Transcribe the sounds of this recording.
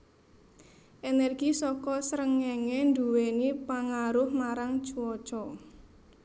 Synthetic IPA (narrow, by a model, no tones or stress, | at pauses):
ʔenɛrɡ̥isɔkɔsɾəŋɛŋɛnduwenipaŋaɾʊhmaɾaŋt͡ʃuwɔt͡ʃɔ